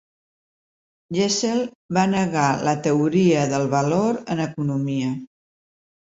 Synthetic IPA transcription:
ʒeselˠ | βanəɣalət̪əuɾiəðəlˠβəloɾənəkunumiə

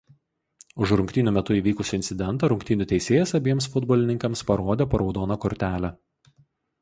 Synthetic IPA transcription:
ʊʃɾʊŋkʲt̪ʲiːnʲʊmʲɛt̪ʊiːʋʲiːkʊsʲɪnʲsʲɪd̪ʲɛnˑt̪ɐɾʊŋʲkt̪ʲiːnʲʊt̪ʲɛɪsʲeːjɛsɐbʲiɛmsfʊd̪bɔlʲɪnʲɪŋkɐmspɐɾoːd̪ʲeːpɐɾɒʊd̪oːnɐkɔɾʲt̪ʲæːlʲæ

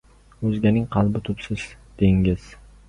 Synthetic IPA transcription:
ɵzɡʲanɪŋqʰɑlˠbɪt̪ʰʊpsɪz̥ | d̪̥e̞ŋʲɪz̥

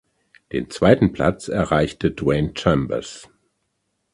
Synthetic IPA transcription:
d̥ḛːnt͡sv̥aɪtn̩pl̥a̰t͡sɛɐʁaɪçtʰədwɛɪnt͡ʃɛmbɐ̰s

